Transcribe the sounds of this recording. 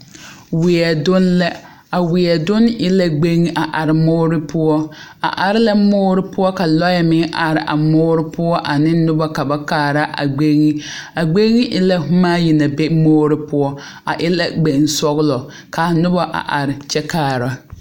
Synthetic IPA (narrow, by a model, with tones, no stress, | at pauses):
wɪ˨ɛ˨dʊ˦nla˦ | a˨wɪ˨ɛ˨dʊ˦nɪ˦la˦ɡ͡be˦ŋi˦ʔa˨ʔa˨ɾɪ˨moː˦ɾɪ˦pʊ˦ɔ˦a̰˨ʔa˨ɾɪ˦la˦moː˦ɾɪ˦pʊ˦ɔ˦ka˨lɔ˦jɛ˦mɪ˦ŋʔa˨ɾɪ˨ʔa̰˨moː˦ɾɪ˦pʊ˦ɔ˦ʔa˨nɪ˦nʊ˦ba˦ka˨ba˦kaː˦˨ɾa˦ʔa̰˨ɡ͡be˦ŋi˦a˨ɡ͡be˦ŋi˦ʔɪ˦la˦ɦʊ˦maː˦ji˨na˨be˦moː˦ɾɪ˦pʊ˦ɔ˦ | a˨ʔɪ˦la˦ɡ͡be˨n˨sɔ˦ɣlɔ˨ | ka˨nʊ˦ba˦ʔa̰˨ʔa˨ɾɪ˨t͡ʃɛ˦kaː˨ɾa˨